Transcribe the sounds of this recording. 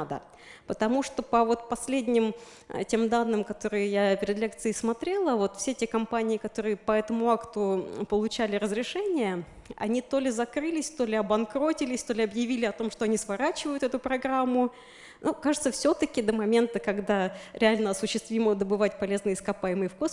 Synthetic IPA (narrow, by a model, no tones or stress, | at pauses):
d̪ə̰ | pət̪ɐmuʂt̪opəvo̞t̪pɐsʲlʲedʲnʲɪm | tʲe̞md̪anːɨmkɐt̪o̞ɾɨjəjapʲɪɾʲɪd̪lʲe̞k̚t̪sɨɪsmɐt̪ɾʲe̞lˠəvo̞t̪fsʲetʲekɐmpanʲɪːɪkɐt̪o̞ɾɨjəpɐɛt̪əmʊakt̪ʊpəlˠʊt͡ɕælʲɪɾəzɾʲɪʂɛnʲɪjə | ɐ̰nʲit̪o̞lʲɪzɐkɾɨlʲɪsʲt̪o̞lʲɪɐbɐnkɾo̞tʲɪlʲɪsʲt̪o̞lʲɪɐbjɪvʲilʲɪɐt̪o̞mʂt̪o̞ɐnʲisvɐɾat͡ɕɪvəjʊt̪ɛt̪ʊpɾɐɡɾamːʊ | nukaʐɨt̪səfsʲo̞t̪əkʲɪd̪əmɐmʲe̞nt̪əkɐɡd̪aɾʲɪalʲnəɐsʊɕːɪst̪vʲiməd̪əbɨvat̚ʲpɐlʲe̞znɨəɪskɐpajɪmɨjəfkos